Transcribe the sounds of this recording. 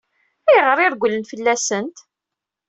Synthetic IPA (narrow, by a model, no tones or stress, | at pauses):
æjʁəɾɪɾɡʷːlənfəlːæsənt̪